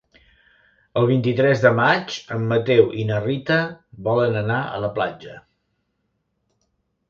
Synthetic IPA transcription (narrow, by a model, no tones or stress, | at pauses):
əlˠβ̞int̪it̪ɾɛzðəmat͡ʃəmːət̪ewʔinərit̪əbɔlənənaə̰ləplad͡ʒə